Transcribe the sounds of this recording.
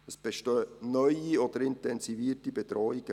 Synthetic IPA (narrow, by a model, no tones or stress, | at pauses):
əsb̥eʃtøːnœʏiɔd̥̪əɾɪntɛnsiviːtibɛd̪ɾɔːiɡ̥ə